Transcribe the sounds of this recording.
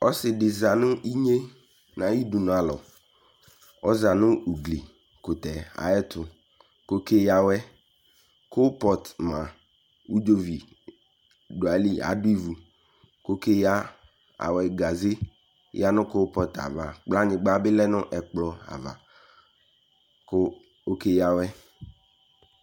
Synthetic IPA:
ɔ˦sɪ˨dɪ˨za˨nʊ̃˦i˦ɲe˦ | nã˨ji˦du˨nʊ˨a˨lɔ˨ | ɔ˦za˨nʊ̃˦u˨ɡli˨ | kʊ˨t̪ɛ˨a̰˨ɛ˦t̪ʰʊ˨ | ko˦kʰe˦ja˦˨wɛ˦ | ko˦pɔ˦t̪mã˨ | wu˦d͡ʒo˦vi˨ | ɖo˨a˨li˦a̰˨du˦i˦vu˨ | ko˦ke˦ja˦ | a̰˨wɛ˨ɡa˨ze˦ | ja˦nʊ̃˦ko˦pɔ˦t̪a̰˨va˨k͡pla˦ɲɪ̃˨ɡ͡ba˦bɪ˦lɛ˦nʊ̃˦ʔɛ˨k͡plɔ˦a̰˨va̰˨ | k | o˦ke˦ja˦wɛ˦

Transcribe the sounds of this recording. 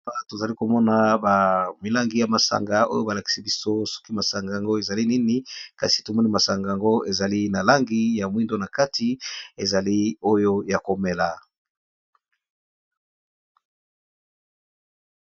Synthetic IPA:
a˦to˨za˨li˦ko˨mɔ˦na˨ba˨mi˨la˦ŋɡi˨ja˨ma˨sa̰˨ŋɡa˦o̰˦jo˦ba˨la˨ki̥˨si˦bi˦so˦sɔ̥˦ki˦ma˨sa˨ŋɡa˨a˨ŋɡo˦e˨za˨li˦ni˦ni˦ka˨si̥˨to˨mɔ˦ni˦ma˨sa˨ŋɡa˨a˨ŋɡo˦e˨za˨li˦na˨la˦ŋɡi˦ja˨mwi˦ndo˦na˨ka˦ti˨e˨za˨li˦o˦jo˦ja˨ko˨me˨la˨

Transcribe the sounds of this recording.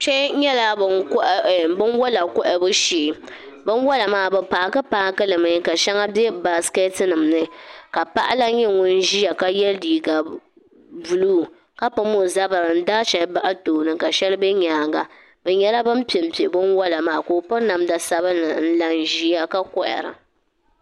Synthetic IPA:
t͡ʃɛ˦ɲɛ˦la˦bkʔbɨ˦n˦wɔ˦la˨kɔ˦ʔɛ˨bɨ˦ʃiː˨ | bɨ˦n˦wɔ˦la˨maː˦bɛ˨paː˨˦kɨ˦paː˦kɨ˦lɨ˨mɨ˨˦ka˨ʃɛ˦ŋa˦bɛ˦ba˨ske˦tɨ˦nɨ˨mnɨ˦ka˨pa˦ʔa˦la˦ɲɛ˦ŋʊ˦n˦ʒi˦a˨ka˦jɛ˦ldiː˨ɡa˨ | bu˨luː˦˨ | ka˦pɨ˦mo˨za˦ba˨ɾɨ˨n̩˦daː˦ʃɛ˨lba˦ʔa˦toː˨nɨ˨ka˨ʃɛ˦lɨ˦bɛ˦ɲaː˨˦ɡa˨ | bɛ˨ɲɛ˦la˦bɨ˦m˦pi˨e˨m̩˦pi˨e˨bɨ˦nwɔ˦la˨maː˦˨koː˨pɔ˦ɾna˨m˦da˨sa˦βa˦nɨ˨n̩˦la˦n˦ʒi˦a˦ka˦kɔ˦˨ʔɛ̰˨ɾa̰˨

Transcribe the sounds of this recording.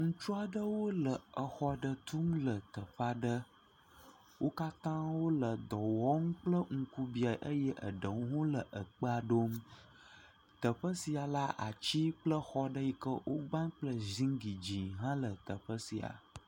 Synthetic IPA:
ŋũ˦t͡ʃu˦a˨ɖə˦wo˦lə˨ə˨xɔ˦ɖə˦t̪u˦mlə˨t̪ə˨ɸa˦ɖə˦ | wʔo˦ka˦t̪ã˦wo˦lə˨d̪ɔ˨wɔ˦ŋ˦k͡plə˦ŋ̩˨ku˦bi˨a˨ʔə˦jə˦ʔə̰˨ɖə˨wu˦ɦõ˦lə˨ʔə˨k͡pə˦a˨ɖo˦m | t̪ə˨ɸə˦si˨a˨la˦ʔa̰˨t͡ɕi˦k͡plə˦xɔ˦ɖə˦ji˨kə˦wʔo˦ɡ͡bã˦ŋk͡plə˦zĩ˦ŋɡi˨d͡ʑĩ˨ɦã˦lə˨t̪ə˨ɸə˦si˨a̰˨

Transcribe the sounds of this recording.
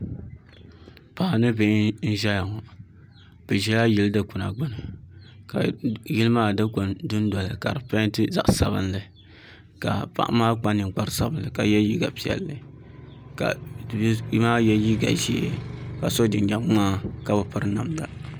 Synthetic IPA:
pa˨nɨ˦be˨˦n̩˦ʒɛ˦ja˨ŋɔ˨ | b̥ɛ˨ʒɛ˦la˦ji˦ldɨ˦kʊ˨na˨ɡ͡bʊ˦nɨ˨ka˨ji˦lɨ˦maː˦dɨ˦ko˨ndʊ˦n˦dɔ˨lɨ˨ka˨ɾɨ˨pa˦ntɨ˦za̰˦ʔsa˨bɨ̰˦nlɨ˨ | ka˨pa̰˨ʔmaː˦k͡pa˦nɨ˨ŋ˨k͡pa˦ɾsa˦bɨ˨n˨lɨ˨ka˨jɛ˦ji˦ɡa̰˨pi˨ɛ̰˨lːɨ˨ | ka̰˨˦ | maː˦jɛ˦ji˦ɡa̰˨ʒeː˦ka˨so˦dɪ˨nd͡ʒa˨m˦aː˦ka˨bɨ˨pa˦ɾɨ˦na˨mda̰˨

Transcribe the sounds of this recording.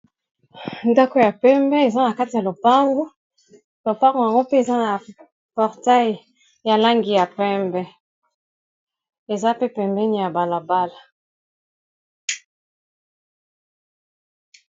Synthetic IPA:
nda˦ko˨ja˨pɛ˦mbɛ˦e˨za˦na˨ka˦ti˨ja˨lo˨pa˦ŋɡo˦ | lo˨pa˦ŋɡo˨ja˨ŋɡo˦pe˦e˨za˦na˨ | pɔ˨ʁta˦j | ja˨la˦ŋɡi˨ja˨pɛ˦mbɛ˦ | e˨za˦pe˦pɛ˨mbɛ˦ni˨ja˨ba˨la˨ba˦la˨

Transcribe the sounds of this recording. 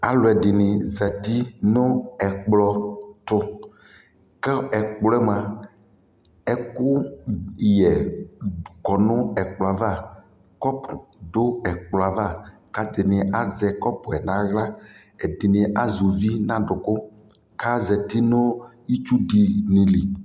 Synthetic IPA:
a˨lʊ˨ɛ˨dɪ˨nɪ̃˨zɛ˨t̪i˦nʊ˦ɛ˨k͡plɔ˦t̪ʊ˦ | kɛ˦ɛ˨k͡plɔ˦ɛ˦m˨a˨ | ɛ˦kʊ˦ | jɛ˨ | kɔ˨nʊ̃˦ɛ˨k͡plɔ˨a˨va˦˨ | kɔ˦pʊ˨ɖʊ˦ɛ˨k͡plɔ˨a˨va˦˨ | ka˨d̪ɪ˨nɪ̃˨a˨zɛ˨kɔ˦pʊ˨ɛ˨nã˨˦ɣla˦ | ɛ˨dɪ˨nɪ̃˨ʔa˦zu˨vi˦nã˦ɖʊ˨kʊ˦ | ka˦zɛ˨t̪i˦nʊ˦ | i˦t͡ʃu˦di˨nĩ˨li˨

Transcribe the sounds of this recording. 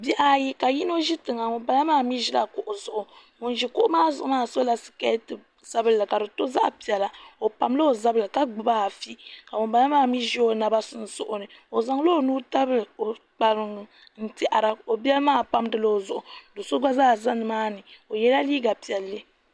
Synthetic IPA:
bi˦ʔa˦ji˦ka˨ji˦n˦o˦ʒi˦tɨ˨ŋa˨mʊ˨mba˨la˦maː˦mi˦ʒi˦la˨ko˨ʔo˨zʊ˨ʔʊ˨ | mʊ˨n˨ʒi˨ko˦ʔmaː˦zʊ˨ʔʊ˦naː˦˨so˦la˨sɨ̥˨kɛ˦tɨ˨ | z̥a˦bɨ˦lːɨ˨ka˨dɨ˨to˦za̰˦ʔpi˨ɛ˨la˨o˨pa˨mlo˦o˨za˦bɨ˨lɨ˨ka˦ɡ͡bɨ˨ba˦˨fi˦ka˨mʊ˨pa˨la˦maː˦˨mi˦ʒi˦o˦na˨ba˦sɨ˦n̩˦sʊ˦ʔʊ˦nɨ˨o˨za˨ŋ˦lo˦o˨nuː˦ta˦bɨ˦˨o˨k͡pa˨lɨ˨ŋ˨ | n̩˦˨ti˦ʔa˨ɾa˨o˨bɛ˦lmaː˦˨pa˦mdɨ˦lo˦o˨zʊ˨ʔʊ˨do˨so˦ɡ͡ba˦zaː˦˨za˦nɨ˨maː˦nɨ˨o˨jɛ˦la˦liː˦ɡa˨pi˨ɛ˨lːɨ˦

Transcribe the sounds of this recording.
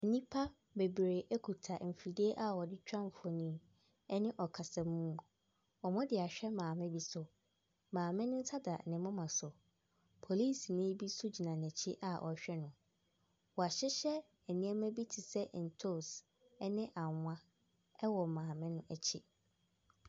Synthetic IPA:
ɛ˨nĩ˦pʰa˦ | be˨bɾe˨ʔɛ˦kʰu˨tʰa˨m̩˨fi˨de˦ʔa˦ɔ˨dɪ˦t͡ɕᶣã˦m˨fɔ˨nĩ˦ | ɛ˦nɪ̃˦ʔɔ˨kʰa˨sɛ̃˨mũ˦ | ɔ˨mʊ̃˦dɪ˨a˨ɕᶣɛ˦mãː˨mɪ̃˦bi˦sʊ˨ | mãː˨mɪ̃˦nʊ̃˦n̩˦tʰa˦da˨nɪ̃˨mʊ̃˦mã˨sʊ˨ | pʰo˨liː˦˨snɪ̃˦bi˦sʊ˦d͡ʑi˨nã˨nɛ̃˨t͡ɕʰɪ˦ʔa˨ʔɔ̰˨a˨ɕᶣɛ˦nʊ̃˨ | wɔ˨a˨ɕɪ˦ɕɛ˦ | ɛ˨nĩ˦ɛ˦mæ̃˦bi˦tʰɪ˨sɛ˦ʔn̩˨tʰo˦˨s | ɛ˦nɪ̃˦ʔa˨˦ã˦ | ɛ˦wɔ˨mãː˨mɪ̃˦nʊ̃˦ʔɛ˨t͡ɕʰɪ˦

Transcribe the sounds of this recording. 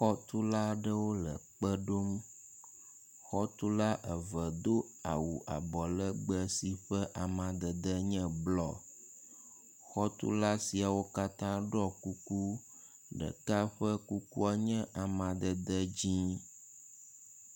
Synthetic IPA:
xɔ˦t̪u˦la˦ɖə˦wo˦lə̰˨k͡pə˦ɖo˦m | xɔ˦t̪u˦la˦ʔə˨və˨d̪o˦ | a̰˨wu˨ʔa̰˨bɔ˨lə˦ɡ͡bə˦si˨ɸə˦ʔa˨mã˨d̪ə˨d̪ə˦ɲɛ̃˦blɔ˦ | xɔ˦t̪ṵ˦la˦si˨a˨wo˦ka˦t̪ã˦ɖɔ˦˨ku˦ku˦ | ɖə̰˨ka˦ɸə˦ku˦ku˦a˦ɲɛ̃˦ʔa˨mã˨d̪ə˨d̪ə˦d͡ʑi˦

